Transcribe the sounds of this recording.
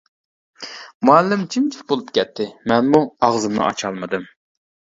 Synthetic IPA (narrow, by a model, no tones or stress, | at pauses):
muɛlːɪmt͡ʃʰimt͡ʃʰibolˠupkʲʰɛt̪ʰːɪmɛnmuɑʁzɨmnɨ̰ʔɑ̰t͡ʃʰɑlˠmɨd̪ɨm